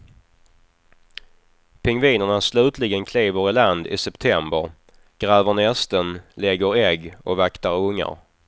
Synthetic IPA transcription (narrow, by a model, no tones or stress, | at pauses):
pʰɪŋviːnəɳaslʉ̟ːt̪lɪɡənkʰliːvəɾɪland̪ɪ̰sɛpt̪ʰɛmbəɾ | ɡ̥ɾɛːvəɳɛst̪ənlɛɡːəɾɛɡːɔ̰kvakt̪aɾɵŋːa̰ɾ